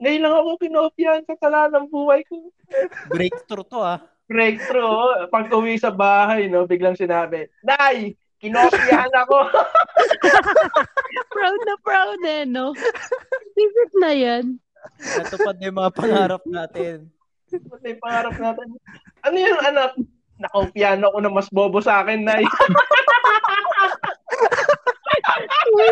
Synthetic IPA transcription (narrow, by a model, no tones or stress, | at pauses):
ŋɐjʊlɐŋɐkokɪnoːpɪjɐnsɐkɐlanɐŋbuːhɐjko | bɾɛk̚t̪ɾot̪oa | bɾɛjk̚t̪ɾoʔpɐɡ̚ʊwisɐbaːɦɐjno̞bɪɡ̚lɐŋsɪnaːbɛnaj | kɪnoːpɪjhɐnɐko̞ | pɹawd̪̚nɐpɹawd̪ɛno | bizɪt̪̚nɐjan | ɐt̪ʊɐd̪ɐjmɐŋapɐŋaːɾɐp̪̚aːt̪ɪn | pɐd̪ɐjpɐŋaːɾɐp̚naːt̪ɪn | ʔɐnojʊŋɐnap̚ | nɐkompjaːnoko̞nɐŋmɐsboːbosaːkɛnːaj